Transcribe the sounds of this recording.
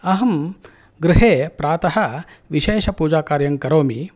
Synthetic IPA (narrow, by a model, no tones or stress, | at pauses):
ɐɦɐm | ɡɾɪɦeːpɾaːt̪ɐɦɐ̆ | ʋiʃeːʃɐpuːd͡ʒaːkaːɾjɐŋkɐɾoːmi